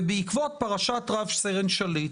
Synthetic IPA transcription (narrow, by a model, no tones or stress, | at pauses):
beikvot̪̚paʁaʃat̪ʁavʃseʁenʃali